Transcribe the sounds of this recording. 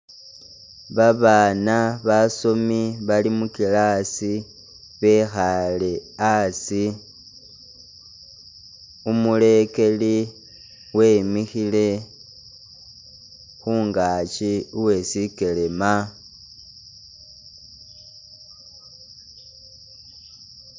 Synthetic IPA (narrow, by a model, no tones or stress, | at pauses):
βaβaːnaβaso̞miβalimukilasi | βe̞xale̞asi | umule̞ke̞li | wemixile̞ | xuːŋɡaːt͡ʃiuwe̞sike̞le̞ma